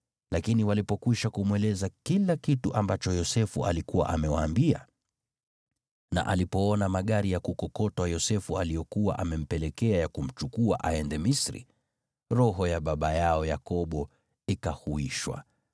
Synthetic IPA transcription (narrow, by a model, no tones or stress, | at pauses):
lakiniwalipɔkwiʃakumwɛlɛzakilakituʔambat͡ʃɔjɔsɛfṵa̰likuwa̰ʔamɛwaːmbia̰ | na̰ʔalipɔɔnamaɠaɾijakukɔkɔtwajɔsɛfualijɔkuwa̰ʔamɛm̩pɛlɛkɛajakum̩t͡ʃukua̰ʔaɛndɛmisɾḭ | ɾɔɦɔjaɓaɓajaɔjakɔɓɔ | ikahuiʃwa̰